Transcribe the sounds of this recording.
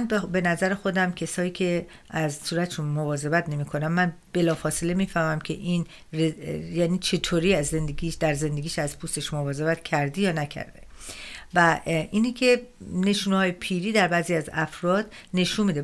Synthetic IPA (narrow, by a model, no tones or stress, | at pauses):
nbbe̞næzæɾexo̞d̪æmcʰesɒːiːcʰe̞ | æzsuːɾæt̪ʰeʃunmovɒːze̞bæt̪ne̞miːkʰo̞næmmːænb̥e̞lɒːfɒːsele̞miːfæhmæmcʰe̞ʔiːn | rejæːniːt͡ʃʰe̞t̪ʰoːɾiːæzːe̞nd̪eɡiʃd̪̥æɾze̞nd̪eɡiːʃæz̥pʰuːst̪e̞ʃmovɒːze̞bæt̪cʰæɾd̪ejɒːnæcʰæ̰ɾd̪̥ḛvæinikʰe̞ne̞ʃuːnhɒːjepʰiːɾiːd̪æɾbæːziːæzæfɾɒːd̪̥ne̞ʃunmiːd̪e